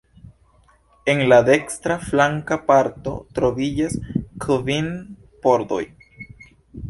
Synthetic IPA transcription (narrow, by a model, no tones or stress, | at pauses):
e̞ŋlad̪e̞kst̪ɾaflaŋkapaɾto̞̰t̪ɾovid͡ʒaskʰvin | poɾd̪o̞̰j